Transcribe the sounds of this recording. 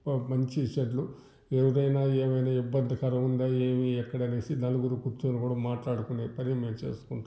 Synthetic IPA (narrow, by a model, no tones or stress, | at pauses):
mɐɲt͡ʃit͡ʃɐʈ̬lu | eʋɐɾɐjnaːeːmɐjnaːibːɐnd̪ʱɐkɐɾɐmund̪aːeːmiɛkːɐɽɐneːsinɐluɡuɾukuɾt̪ːuːnikuːɽaːmaːʈlaːɽukuneːpɐɾimet͡ʃe̞̰ːsu̥kun